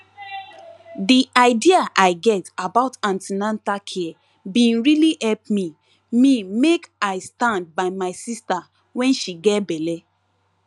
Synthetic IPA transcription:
diʔaɪdiaʔaɪɡɛtabaʊtãntinãntakʰi | bĩnɹilihɛlp̚mi | mimekaɪstãnd̚baɪmaɪsista | wɛ̃nʃiɡɛtbɛlɛ

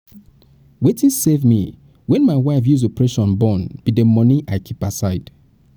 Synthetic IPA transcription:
wetĩnsevmi | wɛ̃nmaɪwaɪfjuzopɹeʃɔ̃nbɔ̃nb̥idəmɔniʔaɪkʰipasaɪd̥

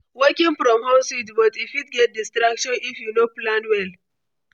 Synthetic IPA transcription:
wɜkĩŋfɹɔ̃mhositbɔtifitɡɛt̚distɾakʃɔ̃nifjunoplãndwɛl

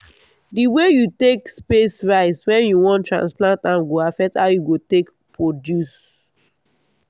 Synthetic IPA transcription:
diwejutekspesɹaɪswɛ̃njuwɔ̃ntɹã̰nsplãntãmɡoafɛk̚thaʊjuɡotek | pʰɹodjus

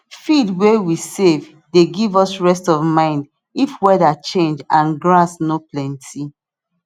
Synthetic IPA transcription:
fidwewisev | deɡivɔsɹɛstɔvmãɪ̃nd | ifwɛdat͡ʃẽnd͡ʒãnɡɹasnoplɛ̃ntʰi

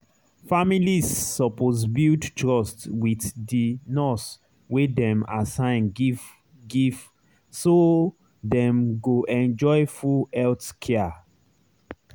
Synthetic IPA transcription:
familisːɔpoz̬bildtɹɔstwitdinɔs | wedɛ̃masãɪ̃n | ɡiv | so | dɛ̃mɡoʔɛ̃nd͡ʒɔjfuɛltkʰɛa

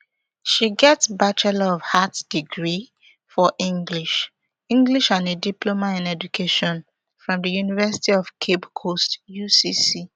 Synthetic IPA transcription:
ʃiɡɛtbat͡ʃɛlɔv̥hatd̥iɡɹi | fɔʔĩŋɡliʃ | ĩŋɡliʃãnediplomaĩnɛd͡ʒukʰeʃɔ̃n | fɹɔ̃mdəjunivɛsi̥tiɔv̥kʰebkʰostjusisi

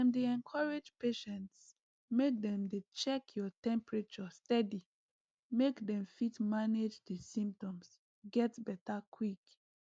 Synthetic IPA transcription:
ãndeɛ̃nkʰɔɹed͡ʒpeʃɛ̃nts | mek̚dɛ̃mdet͡ʃɛkʰjɔtɛ̃mpɹet͡ʃɔstɛdi | mekdɛ̃mfitmaned͡ʒdəsĩmp̚tɔ̃ms | ɡɛtbɛtakʰwik

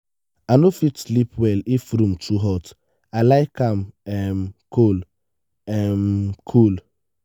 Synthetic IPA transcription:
anofitslipwɛlifɾũmtʰuɦɔt | alaɪkãmɛmkʰol | ɛmkʰul

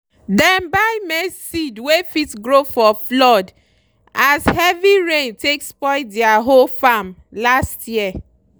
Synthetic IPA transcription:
dɛ̃mbaɪmesidwefitɡɹofɔflɔd | ʔashɛviɹẽntekspɔɪdɛaɦolfamlastjiə

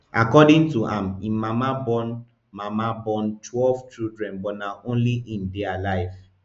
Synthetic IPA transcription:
ʔa̰kɔdɪ̃ŋtuʔãmĩmamabɔn | mamabɔnt͡ʃwɛlvt͡ʃildɹɛ̃nbɔnaʔõnliʔĩndɛalaɪf

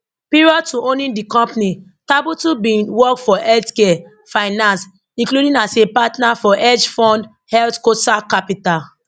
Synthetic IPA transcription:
piɹɔtuõnĩndikɔ̃mpni | tabutubĩnwɔkfɔɛltkɛ | faɪnãns | ĩŋkludĩnasepatnafɔʔɛd͡ʒfɔ̃nd | hɛltkotakapital

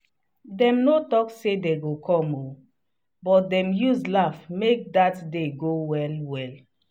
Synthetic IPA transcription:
dɛ̃mnotɔksedeɡokʰɔ̃mo | bɔt̚dɛ̃mjuzlafmek̚datdeɡowɛlwɛl

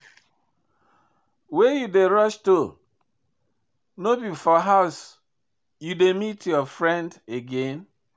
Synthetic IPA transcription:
wejudeɾɔʃto | nobifɔɦaʊs | judemitʰjɔfɹɛ̃ndeɡen

